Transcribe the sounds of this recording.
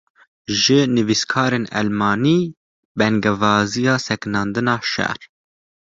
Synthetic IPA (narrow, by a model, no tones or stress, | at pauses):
ʒɨnɨviskʰɑːɾeːnɛ̰lmɑːniː | bɛŋɡɛvɑːzijɑːsɛknɑːnd̪ɨnɑːʃɛ̰ɾ